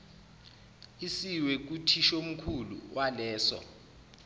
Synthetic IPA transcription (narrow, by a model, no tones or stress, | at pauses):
isiwek̬utʰiʃom̩kʰulṵwʔalɛːsɔ̰